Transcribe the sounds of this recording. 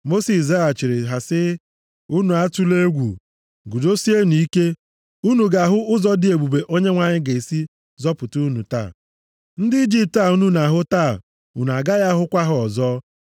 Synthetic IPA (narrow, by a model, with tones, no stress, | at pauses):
mo˦si˨s̬a˦a˨t͡ʃi˨ɾɪ˨ɦa˨sɪ˦ | u˦nu˨a˦tu˦le˦ɡʷṵ˨ | ɡu˨do˦si˦e˦ni˨i˦ke˦ | u˦nu˨ɡa˨ɦʊ˦ʔʊ˦zɔ˦dɪ˦e˨ɡ͡bu˨be˨ʔo˦ɲe˦ŋʷa˨ɲɪ˦ɡe˨i˨si˦ | zɔ˦pʊ˨tu˦nu˨ta̰˦˨ | n̩˦dɪ˦i˦d͡ʒi˦p̚ta˦˨u˦nu˦na˨ɦʊ˦taː˦˨ | ṵ˨n˨a˨ɡa˦ja˦ɦʊ˦kʷa˦ɦʊ˦ɔ˨zɔː˦